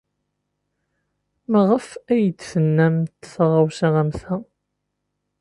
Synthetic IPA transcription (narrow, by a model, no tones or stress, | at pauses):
məʁəfæjət͡sːθənːæmt̪ːsʁawsiʁæmθæ